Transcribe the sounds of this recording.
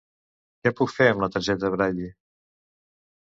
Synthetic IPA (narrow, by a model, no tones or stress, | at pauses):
kɛpukfeəmlət̪əɾʒɛt̪əəβɾaʎi